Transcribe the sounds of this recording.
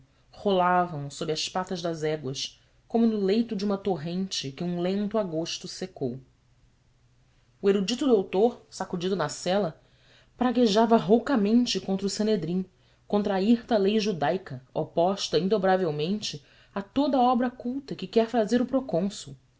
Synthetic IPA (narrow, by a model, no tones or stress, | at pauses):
holavɐ̃w̃sobɾɪɐspat̪ɐʒd̪ɐzɛɡwɐʃ | kõmʊnʊlejt̪ʊd͡ʒɪũmɐt̪oɦẽnt͡ʃɪkɪũlẽnt̪ʊaɡoʃt̪ʊsekow | ueɾud͡ʒit̪ʊd̪owt̪oɾsakud͡ʒid̪ʊnɐsɛlɐ | pɾaɡeʒavɐɦowkɐmẽnt͡ʃɪkõnt̪ɾʊsẽned̪ɾĩ | kõnt̪ɾaiht̪ɐlejʒud̪ajkɐopɔʃt̪ɐĩnd̪obɾavewmẽnt͡ʃɪ | at̪od̪ɐaɔbɾɐkuwt̪ɐkɪkɛɾfazeɾʊpɾokõsʊ